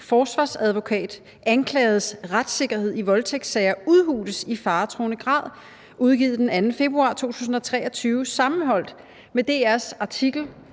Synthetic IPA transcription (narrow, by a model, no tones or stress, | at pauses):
fɒːsʋɑ̈ːsæð̞ˠʋo̝kʰɛ̰ːd̥ | ænkʰlɛːð̞̩ˠsʁad̥se̝ɡ̥ɐhe̝ð̞̰ˠiʋɒ̽lt͡sʰeɡ̥d̥sɛɪɐuð̞ˠhṵːd̥əsifɑ̈ːt͡sʰʁo̝ːnəɡ̥ʁɑ̰̈ːð̞̰ˠ | ʔuð̞ˠɡ̥ḭːð̩ˠd̥enænn̩fe̝b̥ʁuɑ̰̈t͡sʰo̝̰ːt͡sʰṵːs̬n̩ɒ̽t͡sʰʁɛ̰ːɒ̽t͡sʰyːʊsɑ̈mn̩ɦɒ̽l̰d̥ | med̥e̝̰ːæɐsɑ̈t͡sʰiɡ̥l̩